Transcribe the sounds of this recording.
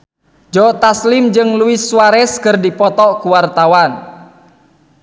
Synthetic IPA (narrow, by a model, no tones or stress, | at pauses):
d͡ʒɔt̪aslɪmd͡ʒɨŋluɪswaɾɛskɨrdipɔt̪ɔʔkuwart̪awan